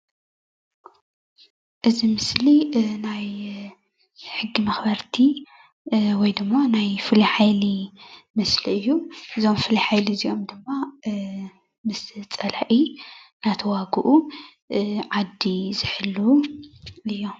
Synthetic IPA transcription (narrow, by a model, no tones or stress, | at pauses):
ʔɨzimɨslinaj | ħɨɡːimɐxbɐɾt̪ʰi | wɔjd̪ɨmːanajfɨliħajlimɨsliɨjːuʔɨzo̞mfɨliħajliziʔo̞md̪ɨmːa | mɨst͡sʼɐlaʔinat̪ʰɐwaɡuʔu | ʕad̪ːizɨħɨlːu | ɨjːo